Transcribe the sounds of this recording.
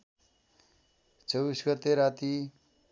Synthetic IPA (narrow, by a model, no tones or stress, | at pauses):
t͡sʌwbisɡʌt̪ːeɾat̪i